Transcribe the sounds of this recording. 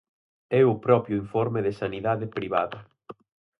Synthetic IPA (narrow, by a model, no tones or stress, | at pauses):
ɛʊpɾɔpɾjʊiɱfɔɾmɪðɪsaniðaðɪpɾiβaðɐ